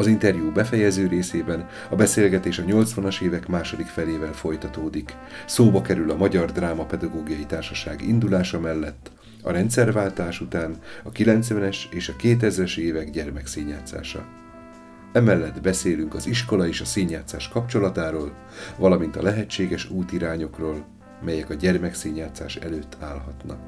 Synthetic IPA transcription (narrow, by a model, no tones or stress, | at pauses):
ɒzint̪ɛrjuːbɛfɛjɛzøːɾeːseːbɛn | ɒbɛseːlɡɛt̪eːʃɒɲo̞lt̪sʋɒnɒʃeːvɛkmaːʃo̞d̪ikfɛleːvɛlfo̞jt̪ɒt̪oːd̪ik | soːbɒkɛɾylɒmɒɟɒrd̪raːmɒpɛd̪ɒɡoːɡijɒjit̪aːrʃɒʃa̰ːɡḭnd̪ulaːʃɒmɛlːɛt̪ː | ɒ̰ɾɛnt̪sɛrvaːlt̪aːʃut̪aːnɒkilɛnt̪sʋɛnɛʃeːʃɒkeːt̪ɛzɾɛʃeːvɛɡɟɛrmɛkseːɲːaːt̪sa̰ːʃɒ̰ | ɛmɛlːɛd̪bɛseːlyŋkɒziʃko̞lɒeːʃɒseːɲjaːt̪saːʃkɒpt͡ʃo̞lɒt̪aːɾoːl | vɒlɒmin̪t̪ɒ̰lɛɦɛt͡ʃːeːɡɛʃuːt̪iɾaːɲo̞kroːl | mɛjɛkɒɟɛrmɛkseːɲaːt̪saːʃɛløːt̪ʰːaːlɦɒt̪nɒ̰k